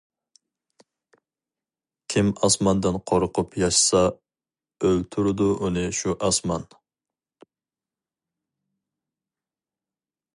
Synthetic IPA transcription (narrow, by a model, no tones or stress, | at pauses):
kʲʰimɑsmɑnd̪ɨnqʰoɾqʰʊpjɑʃsɑ | ølt̪ʰuɾɨd̪uʔunɨʃuʔɑsmɑn